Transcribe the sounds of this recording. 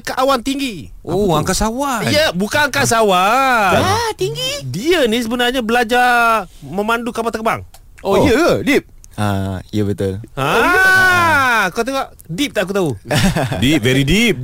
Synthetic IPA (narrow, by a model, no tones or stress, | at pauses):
kaʔawant̪iŋɡi | oaŋkasawajabukanaŋkas̬awaat̪iŋɡidiənis̬əbənarɲabəlad͡ʒa | mə̃mandukapat̪əkəba̰ŋ | oəjədip̚ | aiəbət̪əlaja | kat̪ekaʔ | dip̚t̪aʔakut̪̬audip̚vɛɾidip̚